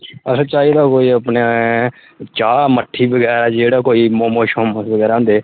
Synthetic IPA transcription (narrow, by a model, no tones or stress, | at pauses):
əsət͡ʃaːiːd̪aːkoːiːəpne | t͡ʃaːməʈʰːiːbəɡɛːɾaːd͡ʒd͡ʒeːɽaːkoːiːmoːmoːʃoːməsbəɡɛːɾãnd̪eː